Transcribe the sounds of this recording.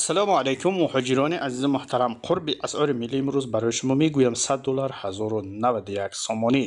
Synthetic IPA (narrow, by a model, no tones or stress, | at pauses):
salɔmalejkʰumːʊhɔd͡ʒiɾɔniʔazizumʊht̪ʰaɾamqʰuɾbiʔasɔɾimilːiːmɾuzbaɾɔjiʃumɔmeɡujamsad̪ːɔlaɾhazɔɾunavad̪ujaksɔmɔni